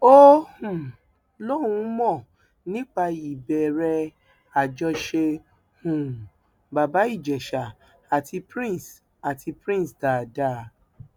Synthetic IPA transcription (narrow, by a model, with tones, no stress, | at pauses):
o˦hũ˨ | lɔ˦ũ˧˦mɔ̃˦˨ | nĩ˨˦k͡pa˧i˨bɛ˨ɾɛ˧ | a˨d͡ʒɔ˧ʃe˧ | hũ˨ | ba˨ba˨˦i˦˨d͡ʒɛ˨ʃa˨ | a˨tʰi˧pɾĩ˦˨s | a˨tʰi˧pɾĩ˦˨sta˨da˦